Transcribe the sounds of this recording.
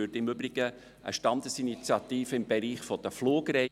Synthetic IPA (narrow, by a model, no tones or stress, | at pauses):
øtɪmʏbɾiɡ̥ə | ʔə̰ʃtɑnd̪əsinit͡sjɑt̪iːfəɪmbɛɾiːχfɔd̥̪əfloːɡɾɛ